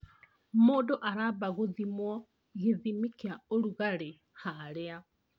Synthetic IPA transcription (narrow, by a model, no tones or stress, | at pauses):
moːdoʔaɾaːβaɣoðimwɔ | ɣiðimikiaoɾuɣaɾe | haɾea